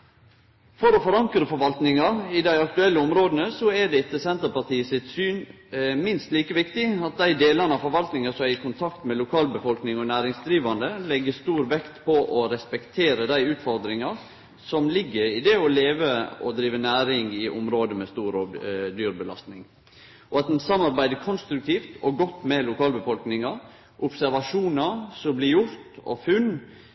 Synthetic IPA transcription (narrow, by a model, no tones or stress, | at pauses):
fɔɾɔfɔɾɑŋkɾəfɔɾʋɑlt̪nɪŋɑɾɪd̪æɪɑk̚t̪ʉɛlːəɔmɾoːd̪ənəsɔɛɖɛɪt̪ːəsɛnt̪əɾpɑt̪iːəsɪt̪syːn | mɪnst̪liːkəʋɪkt̪ɪɑt̪̚d̪æɪd̪eːlɑnəɑʋfɔɾʋɑlt̪nɪŋɑsɔmæɾɪkʰʊnt̪ʰɑkt̪mɛlʊkʰɑːlbəfɔlknɪŋɔnæːɾɪŋsd̪ɾiːʋɑnd̪əlɛɡːəst̪uːɾʋɛkt̪pʰɔʔɔɾɛspɛkt̪ʰeːɾəd̪æɪʉːt̪fɔɾd̪ɾɪŋɑɾ | sɔmlɪɡːəɾɪd̪ɛɔleːʋəɔd̪ɾiːʋənæːɾɪŋɪʔʊmɾoːd̪əmɛst̪uːɾɔd̪yːɾbəlɑ̰st̪nɪŋ | ʔɔɑt̪̚d̪ɛnsɑmːɑɾbæɪd̪əkʰɔnst̪ɾʉk̚t̪ʰiːft̪ɔɡɔt̪ːmɛlʊkʰɑːlbəfɔlknɪŋɑ | ʔʊpsæɾʋɑʂuːnɑsɔblɪjʊɾt̪ɔ̰fʉnː